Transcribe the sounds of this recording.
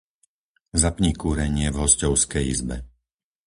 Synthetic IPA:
zapɲikuːɾɛɲɪɛvɦɔscɔʊskɛjḭzbɛ̰

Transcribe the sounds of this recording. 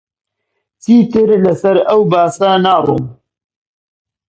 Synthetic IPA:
t͡siːt̪ɨɾlɐsɐɾɐwbaːsɐnaːrˤṵːm

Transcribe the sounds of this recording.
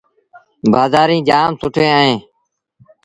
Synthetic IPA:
baːzaːɾĩːd͡ʒaːmsʊʈʰẽːəɦẽː

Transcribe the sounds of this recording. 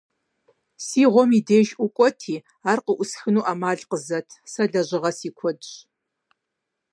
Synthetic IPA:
siːʁʷɔmideːʒʔʷʊkʷʼɔtʰiː | aːrqəʔʷʊsxɨnuːʔaːmaːɮqəzɐtʰsɐɮɐʑɪʁɐsiːkʷʰɔdɕ

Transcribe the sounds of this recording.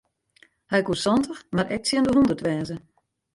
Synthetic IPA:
hɛjkusɔntəxmaɾʔɛk̚sjɪəndəɦundərtʋɛːzə

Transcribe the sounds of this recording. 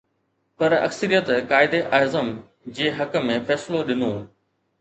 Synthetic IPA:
pɐɾɐ̰ksəɾijət̪kaːɪd̪eʔaːɪzəm | d͡ʑeːɦɐkə̆mẽfɛːsloɗɪnoː

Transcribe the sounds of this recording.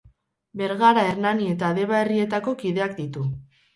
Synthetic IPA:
be̞ɾɣaɾaeɾnanie̞t̪aðe̞βae̞rie̞t̪ako̞kiðe̞akd̪it̪u

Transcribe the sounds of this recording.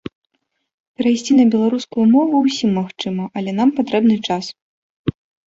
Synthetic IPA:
pʲɛɾajsʲt͡sʲinɐbʲɛlˠaɾuskujumɔvuwsʲimːaxt͡ʂɨmɐʔɐlʲɛn̪ampat̪ɾɛbn̪ɨt͡ʂas

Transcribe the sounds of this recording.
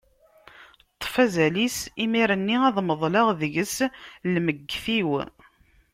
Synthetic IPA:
t̪ˤːfæzælisimiɾənːiɑðˤməðˤlɑʁðəʝəslməɡːθiw

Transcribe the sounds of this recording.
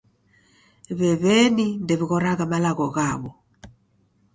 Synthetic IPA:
βɛβɛnindɛβiɣɔɾaɣamalaɣɔɣaβɔ

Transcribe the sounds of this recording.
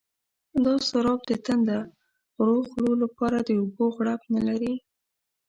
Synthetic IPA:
d̪ɑsaɾɑb̚d̪ət̪and̪ə | ɾoxlolapɑɾad̪əoboɣɽapnalaɾi

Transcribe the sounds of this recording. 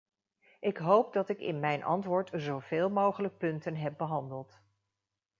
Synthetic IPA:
ʔɪkɦowp̚dɑtɪkɪ̰nmɛjnʔɑ̰ntʋʊːɹtzowv̥eːlˠmowχələk̚pɵntənɦɛp̚bəɦɑndəlˠt

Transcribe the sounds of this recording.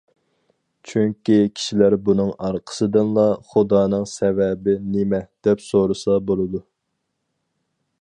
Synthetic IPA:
t͡ʃʰyŋkʲikʲʰi̥ʃilæɾbunɨŋɑɾqʰə̥sɨd̪ɨnlˠɑχud̪ɑːn̪ɨŋsɛvɛbɪnɪmɛd̪̥ɛpsoɾɨsɑbolˠɨd̪u

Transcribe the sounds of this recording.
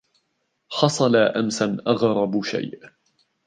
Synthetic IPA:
ħɑsˤɑlaʔamsanʔɑɣɾˤɑbʃa̰jʔ

